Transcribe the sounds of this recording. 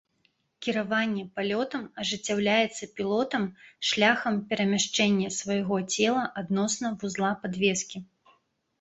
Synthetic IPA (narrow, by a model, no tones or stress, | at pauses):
kʲiɾavanʲːɛpalʲɔt̪ɐmɐʐɨt͡sʲːawlʲajɛt̪sːɐpʲilˠɔt̪ɐmʂlʲaxɐmpʲɛɾɐmʲaʂt͡ʂɛnʲːɐsvɐjɣɔt͡sʲɛlˠɐʔad̪nɔsnɐvuzlˠapad̪vʲɛskʲi